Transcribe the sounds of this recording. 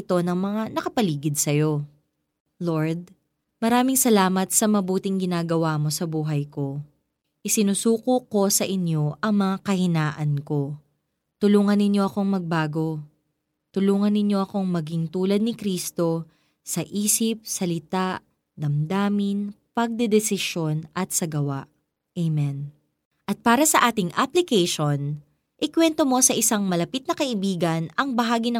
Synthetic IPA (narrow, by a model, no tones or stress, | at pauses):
ɪt̪o̞nɐŋmɐŋanɐkɐpɐliːɡɪd̪̚sɐjo̞ | loɹd̪̚ | mɐɾaːmɪŋsɐlaːmɐt̪̚sɐmɐbuːt̪ɪŋɡɪnaːɡɐwaːmo̞sɐbuːɦɐjko̞ | ʔɪsɪnusuːkoko̞sɐʔɪnjo̞ʔɐŋmɐŋakɐhɪnaːʔɐnko̞ | t̪ʊluːŋɐnːɪnjo̞ʔɐko̞ŋmɐɡ̚baːɡo̞ | t̪ʊluːŋɐnːɪɲjo̞ʔɐko̞ŋmɐɡiŋt̪uːlɐd̪̚nɪkɾiːst̪o̞ | sɐʔiːsɪp̚sɐlɪt̪aʔ | d̪ɐmd̪aːmɪnpɐɡ̚d̪ɛd̪ɛsɪʃo̞nʔɐt̪̚sɐɡɐwaʔ | ejmɛn | ʔɐt̪̚paːɾɐsɐʔaːt̪ɪŋʔaplɪkɛjʃo̞n | ʔɪkwɛnt̪o̞mo̞sɐʔɪsaŋmɐlɐpit̪̚nɐkɐʔɪbiːɡɐnɐŋbɐɦaːɡinɐ